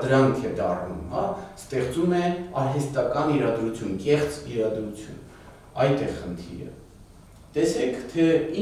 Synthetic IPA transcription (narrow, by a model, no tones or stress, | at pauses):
d̪əɾɑŋkʰɛd̪ɑrnumhɑst̪ɛχt͡sumɛɑnɦɛst̪ɑkɑniɾɑd̪ɾut͡sʰjunkɛχt͡siɾɑd̪ɾut͡sʰjṵn | ɑjt̪ɛʁχənt̪ʰḭɾə̰ | t̪ɛsɛkʰt̪ʰɛi